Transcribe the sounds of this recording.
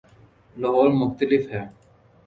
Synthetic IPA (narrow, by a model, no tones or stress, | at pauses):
lɔɦɔːɾmʊxt̪əlɪfɦɛː